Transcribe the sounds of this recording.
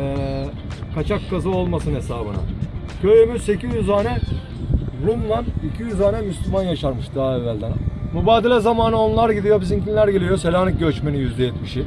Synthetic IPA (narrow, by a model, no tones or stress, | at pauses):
ɛ | kʰat͡ʃʰakːazɯo̞lˠmasɯne̞saːbɯna̰ | kʰøjymyse̞cizjyzaːnɛ | ɾumlˠanicʰijyzaːnɛmyslʲymanjaʃaɾmɯʃd̪aaevːælʲd̪ænmubaːd̪elʲɛzamaːnɯo̞nlˠaɾɟid̪ijo̞bizincʰinlʲæɾɟelʲijo̞se̞lʲaːnɯɟøt͡ʃmenijyzd̪ɛjɛt̪miʃi